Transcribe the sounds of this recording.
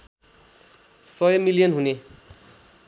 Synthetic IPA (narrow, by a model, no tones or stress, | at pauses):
sʌjʌmilijʌnɦune